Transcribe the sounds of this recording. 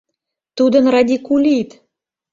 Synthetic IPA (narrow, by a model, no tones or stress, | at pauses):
t̪ud̪ə̆nrɑd̪ʲikulʲit̪